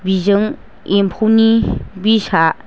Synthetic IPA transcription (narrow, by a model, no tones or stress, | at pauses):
bizɯŋ | empʰuwnibisa